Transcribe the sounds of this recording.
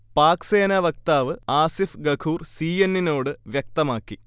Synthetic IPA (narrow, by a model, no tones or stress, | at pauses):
paːkse̞ːnɐʋɐk̚t̪aːʋɨaːsifɡɐkʰuːrsiːjenːino̞ːɽɨʋjɐk̚t̪ɐmaːkːi